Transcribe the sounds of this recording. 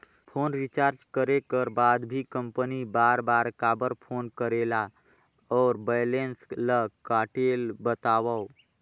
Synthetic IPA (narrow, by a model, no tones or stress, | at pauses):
pʰoːnɾit͡ʃaːɾd͡ʒkəɾekəɾbaːd̪bʱikə̃mpənibaːɾbaːɾkaːbəɾpʰoːnkəɾela | ɔːɾbəːlensləkaːʈeːlbət̪aːwə